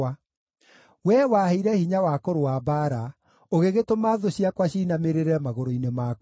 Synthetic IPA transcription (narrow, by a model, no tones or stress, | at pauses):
a | wɛwaheiɾɛhiɲawakoɾowabaɾa | oɣeɣetomaːðoɕiakwaɕiːnameɾeɾɛmaɣoɾoinemak